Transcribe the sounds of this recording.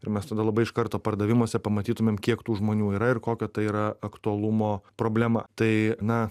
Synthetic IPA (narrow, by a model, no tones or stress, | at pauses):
ɪɾmʲɛst̪ɐd̪ɐlˠɐbɐɪʃkɐɾt̪oːpɐɾd̪ɐʋʲɪmoːsʲɛpɐmɐt̪ʲiːt̪ʊmʲeːmkʲiɛkt̪uːʒmoːnʲuːiːɾɐɪɾkoːkʲɛt̪ɐɪiːɾɐɐkt̪ʊɐlˠʊmoːpɾoːbʲlʲæmɐ̰t̪ɐɪnɐ